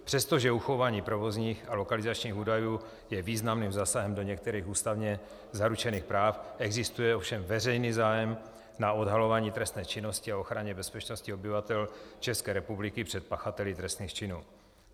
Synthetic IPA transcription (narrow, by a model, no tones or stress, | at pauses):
pr̥ɛst̪o̞ʒɛuxovaːɲiːpɾo̞vo̞zɲiːxalo̞kalɪzat͡ʃɲiːxuːdajuː | jɛviːznamnimzaːsaɦɛmdo̞ɲɛk̚t̪ɛɾiːxuːst̪avɲɛ | zaɾut͡ʃɛniːxpɾaːfʔɛɡzɪst̪ujɛofʃɛmvɛrɛjniːzaːjɛm | nao̞dɦalo̞vaːɲiːt̪ɾɛst̪nɛːt͡ʃɪno̞scɪao̞xɾaɲɛbɛspɛt͡ʃno̞scɪo̞bɪvat̪ɛlt͡ʃɛskɛːɾɛpublɪkɪpr̥ɛt̪̚paxat̪ɛlɪt̪ɾɛst̪niːxt͡ʃɪnuː